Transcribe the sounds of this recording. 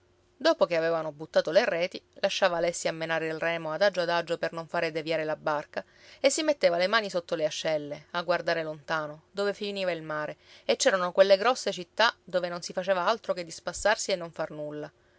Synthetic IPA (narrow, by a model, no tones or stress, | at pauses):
d̪oːpokeavɛːvanobut̪ːaːt̪olerɛːt̪i | laʃːaːvaːlɛsːiamːenaːɾeilrɛːmoad̪ad͡ʒoad̪ad͡ʒːopernoɱfaːɾed̪evjaːɾelabarka | esːimet̪ːeːvalemaːnisot̪ːoleaʃːɛlːeaɡward̪aːɾelont̪aːnod̪oːvefiniːvailmaːɾeet͡ʃːɛːɾanokwelːeɡɾɔsːet͡ʃit̪ːad̪oːvenonsifat͡ʃeːvaalt̪ɾoked̪ːispasːarsienːoɱfarnulːa